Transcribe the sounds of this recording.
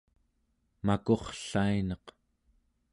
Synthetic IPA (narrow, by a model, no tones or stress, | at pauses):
mako̞χɬainʌq